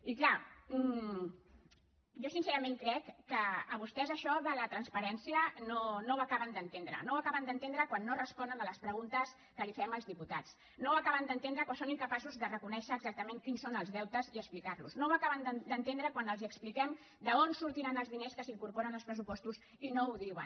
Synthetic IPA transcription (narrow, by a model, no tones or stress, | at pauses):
ikla | ʒosinsɛɾəmeŋkɾɛkːəːβust̪ɛzəʃɔðələt̪ɾənspəɾɛnsiənonowakaβənd̪ənt̪end̪ɾə̰nowakaβənd̪ənt̪end̪ɾəkwanːorəspɔnənələspɾəɣunt̪əs | kəlifɛməlzðiput̪at͡s | nowakaβənd̪ənt̪end̪ɾəkwasoniŋkəpasuzðərəkunɛʃəːɡzak̚t̪əmeŋkinsonəlˠzðɛwt̪əziəsplikaɾlṵznowakaβənd̪əd̪ənt̪end̪ɾəkwanəlˠziəksplikɛm | d̪əonsuɾt̪iɾanəlˠzðineskəsiŋkuɾpoɾənalspɾəs̬upɔst̪uz | inouðiwə̰n